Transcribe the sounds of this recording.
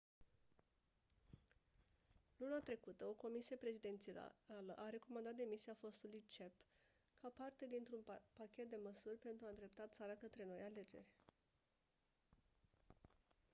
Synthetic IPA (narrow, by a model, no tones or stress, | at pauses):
lunat̪ɾe̞kut̪əo̞ko̞misije̞pɾe̞zid̪e̞nt̪sia̰aləʔaɾe̞ko̞mand̪at̪̚d̪e̞misiafo̞st̪ulujt͡ʃe̞p | kʰapart̪e̞d̪int̪ɾunpakʲe̞t̪̚d̪e̞məsurʲpe̞nt̪ɾuaɨnd̪ɾe̞p̚t̪att̪saɾakət̪ɾe̞no̞jale̞d͡ʒe̞̰rʲ